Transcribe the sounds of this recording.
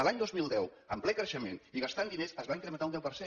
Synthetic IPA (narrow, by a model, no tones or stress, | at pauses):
əlaɲd̪ozmilˠd̪ɛw | əmplɛkɾəʃəmḛniɣast̪and̪inesəzβaiŋkɾəmənt̪aund̪ɛwpəɾse